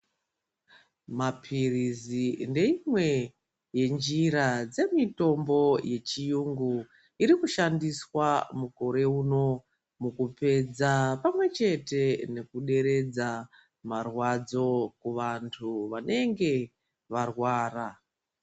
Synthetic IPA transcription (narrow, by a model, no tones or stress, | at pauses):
mapʰirizinde̞imwe̞ | je̞nd͡ʒiɾad͡ze̞mito̞mbo̞je̞t͡ʃijuŋɡu | iɾikuʃandiswamuko̞ɾe̞uːno̞ | mukupe̞d͡zapamwe̞t͡ʃe̞te̞ne̞kuɗe̞ɾe̞d͡za | marwad͡zo̞kuʋantʰuʋane̞ŋɡe̞ | ʋarwaːra